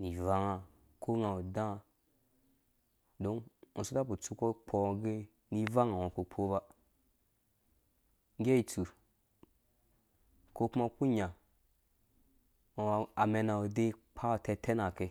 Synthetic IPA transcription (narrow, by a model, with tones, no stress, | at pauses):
ni˨va˦ŋa˨ | kʰo˦ŋa˨o˨dã˦˨ | do˦ŋu˨su˦ta˦bu˨t͡su˦ko˦k͡pʰo˨ɡe˦ | ni˦va˦ŋa˨wa˨ko˨k͡pʰo˦ba˦ | ŋ˦ɡʲe˦i˨t͡su˨ | ko˦ku˦ma˦ku˦ɲa˨ | a˨wa˨a˨me˨na˨o˨de˦k͡pʰa˦˨te˦te˦na˨ke˨